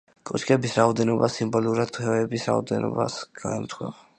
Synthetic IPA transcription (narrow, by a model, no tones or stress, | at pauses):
kʼɔt͡ʃkʼɛbisɾaɔd̪ɛnɔbasimbɔluɾad̪̚t̪ʰuhɛvɛbisɾa̰ɔd̪ɛnɔ̰basɡ̥aɛmt̪ʰwɛv